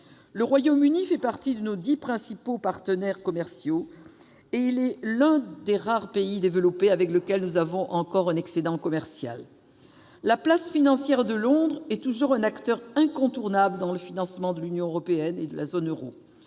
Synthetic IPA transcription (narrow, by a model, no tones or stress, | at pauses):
ləʁwajomynifɛpaʁt̪id̪ənod̪ipχɛ̃sipopaʁt̪ənɛʁkɔmɛʁsjo | eilɛlɛ̃d̪eʁaʁpeid̪evəlɔpeavɛkləkʲɛlnuzavɔ̃ʔɑ̃kɔʁɛ̃nɛksed̪ɑ̃kɔmɛʁsja̰lː | aplasfinɑ̃sjɛʁd̪əlɔ̃d̪ʁɛt̪uʒuʁɛ̃nakt̪œʁɛ̃kɔ̃t̪uʁnabləd̪ɑ̃ləfinɑ̃smɑ̃d̪əlynjɔ̃øʁɔpeɛned̪əlʔa̰zonøʁo̰